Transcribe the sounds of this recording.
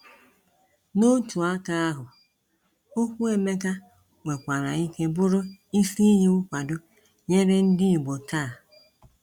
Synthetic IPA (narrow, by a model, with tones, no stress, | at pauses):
no˦tu˨a˦ka˦a˦ɦʊ˨ | o˦kʷu˦e˦me˦ka˦ | ŋʷe˨kʷa˨ɾa˨i˦ke˦bʊ˦ɾʊ˦i˦si˦ɦi˦ʊ˦kʷa˨dʊ˦ | ɲe˦ɾe˦n̩˦dɪ˦i˨ɡ͡bo˨ta˦˨